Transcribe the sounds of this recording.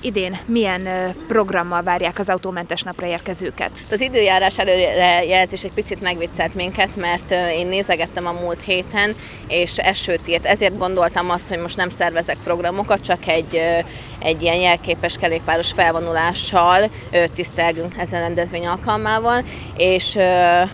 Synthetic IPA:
ʔid̪eːnmijɛnpro̞ɡrɒmːɒlvaːrjaːkɒzɒut̪oːmɛnt̪ɛʃnɒprɒeːrkɛzøːkɛ̰t̪t̪ɒzid̪øːjaːɾaːʃɛløːɛjɛlɛzeːʃɛc̚pit̪sit̪mɛɡʋit̪sɛlt̪miŋkɛt̪mɛrt̪øeːnːeːzɛɡɛt̪ːɛmɒmuːlt̪heːt̪ɛn | eːʃɛʃøːt̪iːrt̪ɛzeːrd̪̚ɡo̞nd̪o̞lt̪ɒmɒst̪ho̞ɟmo̞ʃtnɛmsɛrvɛzɛk̚pro̞ɡrɒmo̞kɒt̪̚t͡ʃɒkɛɟː | ɛɟːijɛnjɛlkeːpɛʃkɛleːkpaːɾo̞ʃfɛlvo̞nulaːʃːɒl | øt̪ist̪ɛlɡyŋkɛzɛnrɛnd̪ɛzʋeːɲɒlkɒlmaːvɒl | eːʃø

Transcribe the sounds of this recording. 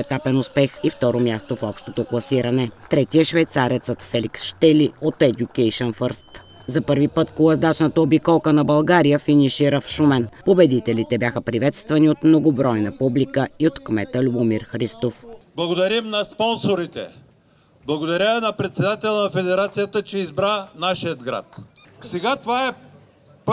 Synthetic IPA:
ɛt̪apɛnʊspɛxift̪ɔɾomʲjast̪ofɔpʃt̪ot̪oklˠɐsiɾɐnɛt̪ɾɛt̪iəʃvɛjt̪saɾɛt̪sət̪fɛlʲiksʃt̪ɛliot̪ɛd̪ʲukɛjʃənfəɾst̪ | zɐpɤɾvipət̪kolˠɐzd̪at͡ʃnət̪əobikɔlˠkənɐbɐlˠɡaɾijəfiniʃiɾəfʃumɛnpobɛd̪it̪ɛlit̪ɛbjaxəpɾivɛt̪st̪vɐniot̪mnoɡobɾɔjnəpublikəiot̪kmɛt̪əlʲuomiɾxɾist̪ofblˠɐɡod̪ɐɾimnɐspɔnsoɾit̪ɛ̰ | blˠɐɡod̪ɐɾʲavnɐpɾɛt̪sɛd̪at̪ɛlˠənɐfɛd̪ɛɾat̪sijət̪ət͡ʃɛizbɾanaʃijəd̪ɡɾa̰t̪ | sɛɡat̪ovaɛ | p

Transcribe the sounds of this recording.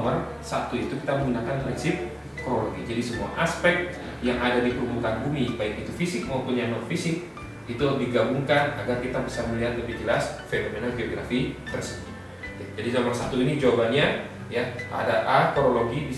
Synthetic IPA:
mər | sat̪uit̪ukit̪amə̃ŋɡunakanpɾinsɪp̚ | koɾoloɡid͡ʒadisəmua̰ʔaspɛk̚t̪̚ | jaŋadadipəɾumuk̪anbumibaikit̪ufisɪk̚maupuɲanɔrfisɪk̚ | it̪udiɡabuŋkanaɡarkit̪abisarməliɦat̪̚ləbihd͡ʒəlasfenomenalɡeoɡɾafit̪ərsəki | ad͡ʒadisɔmərsat̪uinid͡ʒawabaɲa | jaʔa̰daʔakoɾoloɡibi

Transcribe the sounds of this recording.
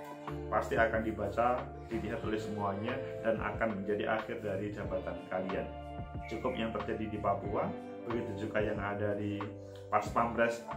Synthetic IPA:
past̪iakandibat͡ʃa | diliɦat̪olɛhsəmuaɲadanʔa̰kanməɲd͡ʒadiʔa̰xɪrdaɾid͡ʒabat̪ankalia̰n | t͡ʃukʊp̚jaŋt̪ərd͡ʒadidipapuan | bəɡit̪ud͡ʒuɡajaŋadadi | paspambɾɛs

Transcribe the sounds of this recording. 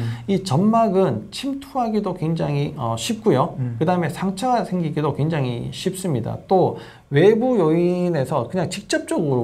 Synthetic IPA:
it͡ɕʌnmaɡɯnt͡ɕʰimtʰuɦaɡidokwe̞ŋd͡ʑaŋiʌɕʰip̚k͈ujokɯdaɯme̞sʰaŋt͡ɕʰaɡsʰe̞ŋɡiɡidokwe̞ŋd͡ʑaŋḭɕʰip̚s͈ɯmɲida̰t͈o | we̞bujoine̞sʰʌkɯɲaŋt͡ɕik̚t͡ɕ͈ʌp̚t͡ɕ͈ʌɡɯɾo

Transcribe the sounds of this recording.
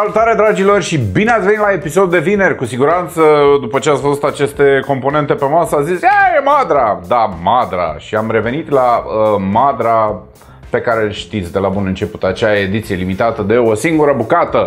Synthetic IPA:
salut̪aɾed̪ɾad͡ʒilo̞rʲʃibineat̪sʲveit̪lae̞piso̞d̪ud̪e̞vine̞rʲkusiɡuɾant̪səd̪upət͡ʃeasfo̞zt̪at͡ʃe̞st̪e̞ko̞mpo̞ne̞nt̪e̞pe̞masəazisejemad̪ɾad̪amad̪ɾa̰ʃiamɾe̞ve̞nit̪laəmad̪ɾa | pe̞kaɾeʃt̪it̪sʲd̪e̞labunɨnt͡ʃe̞pu̥t̪at͡ʃeae̞d̪it̪sije̞limit̪at̪əd̪e̞o̞siŋɡuɾəbukat̪ə

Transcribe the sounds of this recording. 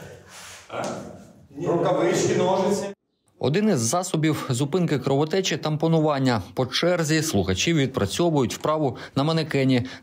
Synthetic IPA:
ɾʊkɐʋɪt͡ʃkʲinɔʒɪ | ɔ̰d̪ɪnɪzːɑsɔbʲiwzʊpɪnkɪkɾɔʋɔt̪ɛt͡ʃɪt̪ɐmpɔnʊʋɑnʲːɐpɔt͡ʃɛrzʲislˠʊxɐt͡ʃʲiwʋʲid̪̚pɾɐt͡sʲɔʋʊjʊtʲwpɾɑʋʊ | nɐmɐnɪkɛnʲi

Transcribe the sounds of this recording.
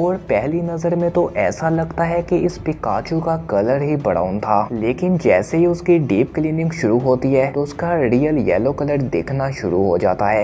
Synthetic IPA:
ɔːɾpɛɦlinɐzəɾmẽt̪oʔɛːsalɐɡt̪aɦɛkiɪspɪkaːt͡ʃukakɐləɾɦibɐɽa̰ːʊnt̪ʰaːleːkɪnd͡ʒɛːseɦiʊskiɖiːpkliːnɪ̃ŋɡʃʊɾuɦoːt̪iɦɛːt̪oʊskaɾiːjəljɛ̰ːlokɐləɾd̪ḛːkʰnaʃʊ̰ɾuɦod͡ʒa̰ːt̪aɦɛː

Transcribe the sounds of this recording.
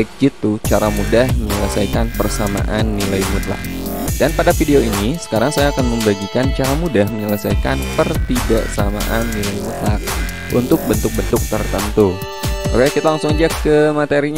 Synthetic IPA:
k̚d͡ʒit̪ut͡ʃaɾamudahməɲələsajkanpərsama̰ʔanːilajmut̪la̰k̚danpadafideoinisə̥kaɾaŋsajaːkanməmbaɡikant͡ʃaɾamudahməɲələsajkanpərt̪idaʔsama̰ʔanːilajmut̪lak̚ | ṵnt̪ʊk̚bənt̪ʊk̚bənt̪ʊk̚t̪ərt̪ənt̪u | uɾajakit̪alaŋsʊŋd͡ʒakːəmat̪eɾiɲ

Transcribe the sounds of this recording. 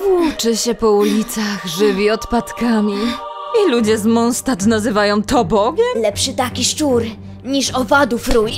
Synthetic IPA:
vut͡ʂɘɕɛpɔulʲit̪saxʐɘvʲiɔt̪pat̪kamʲiilud͡ʑɛzmɔnst̪at̪nazɘvajɔ̃w̃t̪ɔbɔɡʲɛmlɛpʂɘt̪akʲiʂt͡ʂuɾ | ɲiʂɔvad̪ufɾuj

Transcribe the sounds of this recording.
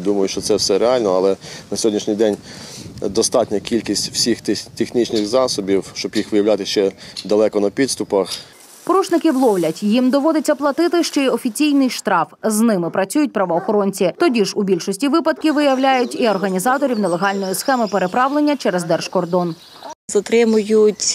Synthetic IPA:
d̪umɐjʊʃt͡ʃɔt̪sɛwsɛɾeɑlʲnɔɐlˠɛnɐsʲɔɦɔdʲnʲiʃnʲijd̪ɛnʲ | d̪ɔst̪ɑtʲnʲɐkʲilʲkʲisʲtʲw̥sʲixt̪t̪exnʲit͡ʃnɪxzɑsɔbʲiwʃt͡ʃɔbjixʋɪjɐwlʲat̪ɪʃt͡ʃɛd̪ɐlˠɛkɔnɐpʲid̪st̪ʊpɐx | pɔɾut͡ʃnɪkɪwlˠɔwlʲɐtʲjimd̪ɔʋɔd̪ɪt͡sʲːɐplˠɐt̪ɪt̪ɪʃt͡ʃɔɔfʲit͡sʲijnɪjʃt̪ɾɑfznɪmɪpɾɐt͡sʲujʊt̚ʲpɾɐʋɔːxɔɾɔnʲt͡sʲit̪ɔdʲiʒubʲilʲʃɔsʲtʲiʋɪpɐd̪̚kʲɪʋɪjɐwlʲajʊtʲiɔrɦɐnʲizɑt̪ɔɾʲiwnɛlˠeɦɑlʲnɔjisxɛmɪpeɾe̞pɾɑʋlˠe̞nʲːɐt͡ʃɛɾɛzd̪ɛrʃkɔrd̪ɔn | zɐt̪ɾɪmʊjʊtʲ

